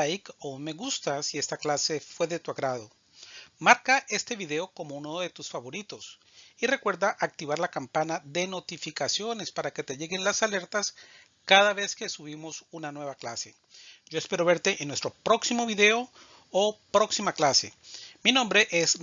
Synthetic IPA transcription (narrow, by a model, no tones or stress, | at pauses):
jkome̞ɣust̪asie̞st̪aklase̞fwe̞ðe̞t̪uaɣɾaðo̞ | maɾkaʔe̞st̪e̞βiðe̞o̞ko̞mounoðe̞t̪usfaβo̞ɾit̪o̞s | ire̞kwe̞ɾðaʔak̚t̪iβaɾlakampanaðe̞no̞t̪ifikasjo̞ne̞spaɾaket̪e̞ʝe̞ɣe̞nlasale̞ɾt̪as | kaðaβe̞ske̞suβimo̞sunanwe̞βaklase̞ | ɟ͡ʝo̞espe̞ɾo̞βe̞ɾt̪e̞ʔenːwest̪ɾo̞pɾo̞ksimo̞βiðe̞o | opɾo̞ksimaklase̞̰minõmbɾe̞ʔes